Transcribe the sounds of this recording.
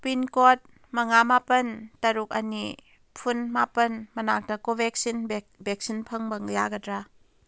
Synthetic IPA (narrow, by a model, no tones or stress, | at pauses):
pinkɔt̚ | mɐŋamapəntɐɾuk̚ani | pʰunmapənmɐnak̚dakɔvɛk̚sin | bɛk̚sinpʰəŋbɐŋjaɡɐtɾa